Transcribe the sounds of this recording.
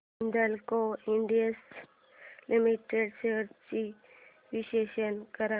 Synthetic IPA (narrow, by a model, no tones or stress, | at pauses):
nd̪əlkoɪɳɖijəs | limiʈeɖseɾt͡ʃi | ʋiʃeːʃənkəɾa